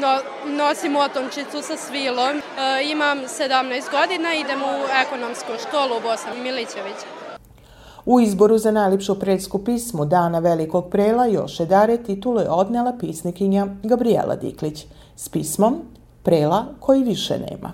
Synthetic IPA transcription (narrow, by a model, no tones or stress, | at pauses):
o | nosimuot̪ont͡ʃit̪susasʋilˠomimamsed̪amnajst̪̚ɡod̪inaid̪emuekonomskoʃko̞ːlubo̞sanmilit͡ɕeʋit͡ɕ | uizbo̞ɾuzanajlepʃupɾeːskupismud̪aːnaʋeliko̞ɡ̚pɾeːlajo̞̰ʃjed̪aɾet̪it̪ulujḛo̞d̪nelˠapiːsnikiɲaɡabɾiḛlʔa̰d̪ḭklit͡ɕ | spiːsmo̞m | pɾeːlakʰo̞jiʋiʃḛnḛːmʔa̰